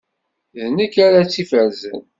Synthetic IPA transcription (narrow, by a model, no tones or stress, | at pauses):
ðnəkːaɾat͡sːifəɾzə̰n